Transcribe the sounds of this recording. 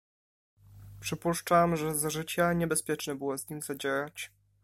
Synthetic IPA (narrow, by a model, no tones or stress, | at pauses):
pʂɘpuʂt͡ʂamʐɛzʐɘt͡ɕaɲɛbɛspʲjɛt͡ʂnɛbɘwɔzɲimʲzad͡ʑɛɾat͡ɕ